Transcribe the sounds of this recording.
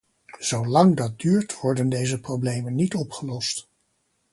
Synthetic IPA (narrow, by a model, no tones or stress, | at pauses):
z̥owlɑŋdɑt̚dyːɹtʋɔɹdəndejzəprowblejmənːitɔpχəlɔst